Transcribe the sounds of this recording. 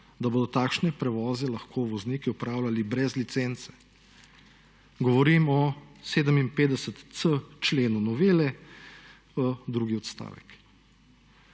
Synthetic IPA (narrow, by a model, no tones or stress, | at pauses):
d̪aboːd̪ɔt̪aːkʃnɛpɾɛʋɔːzɛlɐxkʰoʋɔzniːkiɔpɾaːwlʲalibɾɛzlit̪sent̪sɛ̥ | ɡɔʋɔɾimɔseːd̪əminpeːd̪ɛsət̪sət͡ʃleːnunɔʋeːlɛ | əd̪ɾuːɡiɔt̪st̪a̰ːʋɛ̰k